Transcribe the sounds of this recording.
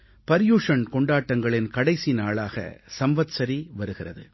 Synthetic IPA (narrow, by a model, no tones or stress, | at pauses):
pɐɾjuːʂɐnkɔɳɖaːʈːɐŋɡɐɭɪnkɐɽɐɪsinaːɭaːɣɐ̰sɐmʋɐt̪sɐɾiʋɐɾɯɣɪrɐðɯ̰